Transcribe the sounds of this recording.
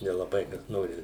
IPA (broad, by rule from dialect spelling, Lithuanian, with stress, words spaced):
nʲɛlˠɐˈbɐɪ kɐs ˈnoːrʲɪ